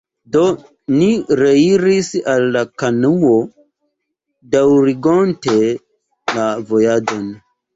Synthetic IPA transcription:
do̞ | niɾeiɾisalːakanuo | dawɾiɡonte | lavo̞jad͡ʒon

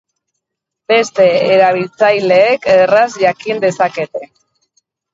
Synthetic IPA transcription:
b̥e̞st̪e̞eɾaβ̞ilt͡sajle̞ːkerazʝakind̪e̞sake̞t̪e̞

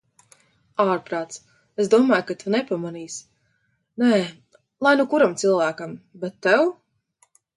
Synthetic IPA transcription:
aːɾpɾaːt̪s | esd̪uɔmaːjkat̪ʰunɛpamaniːs | nɛː | lˠajnukuɾamt̪silˠvæːkambɛt̪ːɛw

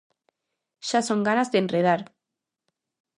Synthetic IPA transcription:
ʃasoŋɡanazðenreð̞aɾ

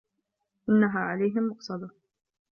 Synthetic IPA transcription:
ʔɪnːaɦaːʕalajɦɪmːʊqsˤɑd̪ɑ

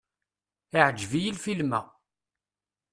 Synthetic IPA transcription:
ɪʕəd͡ʒvijilfilmæ̰

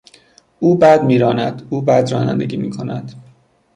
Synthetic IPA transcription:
uːbæd̪miːɾɒːnæd̪̥uːbæːd̪ɾɒːnæ̰nd̪eɡʲiːmiːkʰo̞næd̪̥

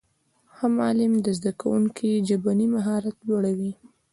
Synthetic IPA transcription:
hamɑlɪmd̪əzd̪akawuŋkʰid͡ʒabanimaɦɑɾat̪loɽawi

